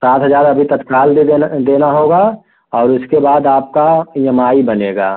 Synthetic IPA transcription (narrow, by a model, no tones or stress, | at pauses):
saːt̪ʰɦəzaːɾɐbʱit̪ɐt̪kaːld̪d̪eːnaɦoːɡa | ɔːɾʊskebaːd̪aːp̚kajɐmaːibɐneːɡaː